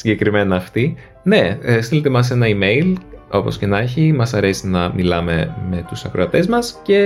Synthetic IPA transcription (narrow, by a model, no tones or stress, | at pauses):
siɲɟe̞kɾime̞nɐːft̪i | ne̞st̪ilet̪e̞mɐs̬e̞nɐime̞jlo̞posce̞nɐçimɐsɐɾe̞sinɐmilɐme̞me̞t̪usɐkɾoɐt̪e̞zmɐsce̞